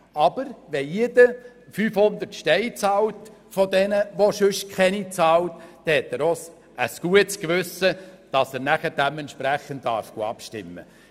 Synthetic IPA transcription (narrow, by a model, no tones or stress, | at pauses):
ɑb̥əɾʋɛjedə | fyːfhʊnd̪əɾtʃtɛɪt͡sɑːltfɔd̪ɛnəʋoʃɵʃkχɛnit͡sɑːltd̥ɛhɛt̪ɛɾɔs | əsɡ̥uətskʋʉsəd̥ɑsæɾnæχəd̥æmɛnʃpɾæχəndːɑ̰ɾfɡ̥oɑ̰pʃtɪ̰mːə̰